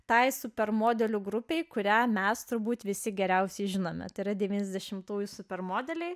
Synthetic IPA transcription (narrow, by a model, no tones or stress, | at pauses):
t̪ɐɪsʊpʲɛɾmoːd̪ʲɛlʲuːɡɾʊpʲɛɪkʊɾʲæːmʲɛst̪ʊɾbuːt̪ʋʲɪsʲɪɡʲɛɾʲɛʊsʲɛɪʒʲɪnoːmʲɛ̰t̪ɐɪɾɐd̪ʲɛʋʲiːnʲɛzʲd̪ʲɛʃʲɪmt̪uːjʊsʊpʲɛrmoːd̪ʲɛlʲɛɪ